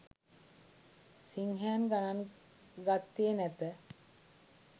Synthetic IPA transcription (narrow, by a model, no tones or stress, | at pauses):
siŋɦæːnɡanan | ɡat̪ːienæt̪ə